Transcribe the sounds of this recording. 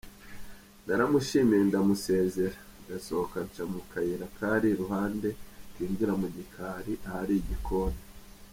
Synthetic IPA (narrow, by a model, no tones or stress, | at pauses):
naɾamuʃiːmiendamuse̞ːze̞ɾandasookaɲt͡ʃamukʰajiɾakʰaɾiɾuɦaːnde̞kiːɲɟiɾamuɟikʰaːɾiʔahaɾiɟikʰo̞ːnde